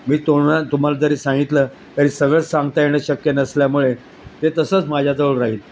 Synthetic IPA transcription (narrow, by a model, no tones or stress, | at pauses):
miːt̪oat̪um̤alad͡z̪əɾiːsãŋɡit̪ləː | t̪aɾiːsəɡɭəsãŋɡt̪ajenəɕəkjenəsljamuɭe | t̪et̪əsəːt͡smad͡ʑʱjad͡z̪əʋɭɾaɦiːl